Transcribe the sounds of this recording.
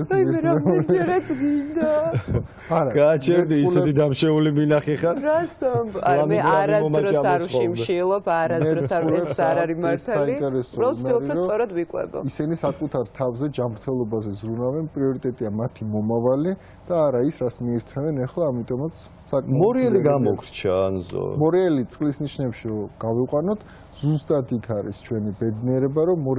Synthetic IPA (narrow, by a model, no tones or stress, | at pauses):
ɛsiaɛd͡ʒɛɾasɡind̪a | aɾaɡaːt͡ʃʰɛd̪iːslɛid̪amʃɛuliminaχɛχaɾasaaamiaaɾamaɾɔaaɾuʃɔimʃilˠɔpʰaɾaɛsauɾɛsaɾaɾimaɾtsʰaːalint̪ʼɛɾɛsɔɾalˠɔmlˠɾiɾɔsʼɔɾad̪vikʼwɛ̰bɔ̰isɛnisakʼut̪ʰaɾt̪ʰavzɛd͡ʒamɾt̪ʰɛlˠɔbazɛzɾunavɛnpʼɾiɔɾit̪ʼɛt̪ʼiamat̪ʰimɔmavali | d̪̥aːɾaisɾasmiɛɾt̪ʰɛvɛnɛχlˠaːmit̪ʼɔmat̪sʰ | sakʼmamɔɾiɛliɡamɔkɾt͡ʃʰanzɔ̰mɔɾiɛlit̪sʼqʼlisniʃnɛpʃiɾɔɡ̥aviqʼwanɔt̪ʰ | z̥ust̪ʼad̪ikʰaɾḭst͡ʃʰwɛnibɛd̪niɛɾɛbaɾɔmːɔɾ